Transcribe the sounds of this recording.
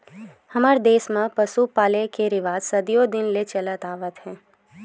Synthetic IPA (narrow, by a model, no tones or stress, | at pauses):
hɐmaːɾd̪eːsmãpəsupaːlekeɾɪʋaːzsɐd̪ijod̪ɪnlet͡ʃɐlət̪aːʋət̪ɦɛ̃ː